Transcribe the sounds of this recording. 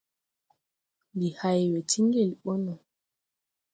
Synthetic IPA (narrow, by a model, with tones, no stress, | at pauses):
li˨hajwɛ˨tʰi˦ŋɡe˦˨lɓɔ˦nɔ˨